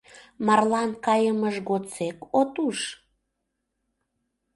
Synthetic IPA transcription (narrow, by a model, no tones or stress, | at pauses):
mɑrlɑnkɑjəməʒɣot͡sekot̪uʃ